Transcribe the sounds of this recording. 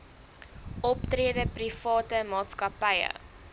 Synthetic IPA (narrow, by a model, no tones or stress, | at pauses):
ʔɔptriədəprifɑːtəmɑːtskɐpɐjə̰